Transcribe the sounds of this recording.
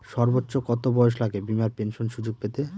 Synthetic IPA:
ʃɔɾbotːɕokɔt̪obɔjoʃ̬laɡebimaɾpenʃonʃud͡ʑoɡ̚pet̪e

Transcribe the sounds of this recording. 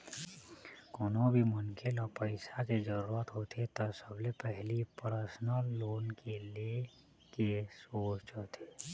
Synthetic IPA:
koːnõbʱimʊnkʰelɔːpəɪsaked͡ʒəɾuːɾət̪ɦot̪ʰet̪ɔsəblepɛɦlipəɾəsnəlːoːnkelie | kesoːt͡ʃt͡ʃɦoːt̪ʰeː

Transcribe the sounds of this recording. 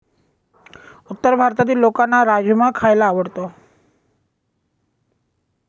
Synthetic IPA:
ut̪ːəɾbʱaɾt̪ad̪iɾlokanaɾad͡ʑumakʰaelaːʋəɽt̪o

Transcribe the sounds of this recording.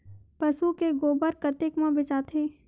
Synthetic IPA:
pɐsukeɡoːbəɾkɐt̪ɪkmãbɪt͡ʃaːt̪ʰeː

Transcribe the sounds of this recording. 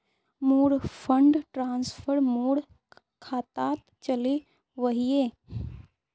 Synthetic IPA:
moːɽfʰəɳɖʈɾaːnspʰəɾmoːɽ | kʰaːt̪aːt̪ | t͡ʃəle | ʋəɦijeː

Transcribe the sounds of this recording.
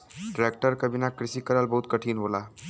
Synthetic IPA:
ʈɾeːk̚ʈəɾkɐbinakɾɪsikɐɾəlbɐɦʊt̪kɐʈʰiːnɦoːlaː

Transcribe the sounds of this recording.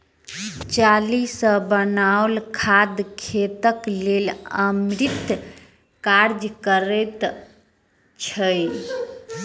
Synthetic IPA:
t͡ʃalisəbənaolkʰad̪kʰet̪əkleləmɾit̪ | kaɾd͡ʒkəɾɛt̪ | t͡ʃʰəj

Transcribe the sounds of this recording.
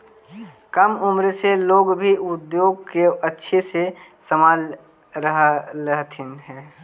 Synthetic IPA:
kəmʊmɾeseloːɡbʱiʔʊd̪joːɡ̚keətːʃʰesesəmaːl | ɾəɦəɦt̪ʰɪnɦɛː

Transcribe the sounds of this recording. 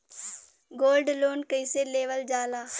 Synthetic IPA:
ɡoːlɖloːnkəɪseleːʋəld͡ʒaːlaː

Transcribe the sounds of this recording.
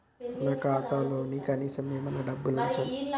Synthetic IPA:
nɐkaːt̪alonikɐniːsɐmemɐnɐɖɐbːulunt͡ʃɐl

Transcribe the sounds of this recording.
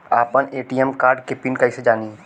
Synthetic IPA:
aːpəneːʈiːɛmkaːɾɖkepɪnkəised͡ʒaːniː

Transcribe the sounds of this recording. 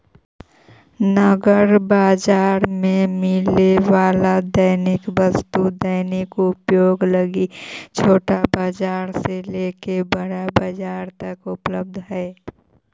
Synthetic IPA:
nəɡəɾbaːd͡ʒaːɾmẽmɪleʋaːlad̪əɪnɪkbəst̪ud̪əɪnɪkʊpjoːɡləɡit͡ʃʰoːʈabaːd͡ʒaːɾselekebəɽabaːd͡ʒaːɾt̪əkʊpləb̚d̪ʱɦɛe

